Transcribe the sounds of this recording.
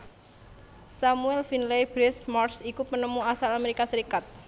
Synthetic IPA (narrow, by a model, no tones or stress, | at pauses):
samuɛlfinlebɾɛsmɔrsikupənəmuasalameɾikasəɾikat̪̚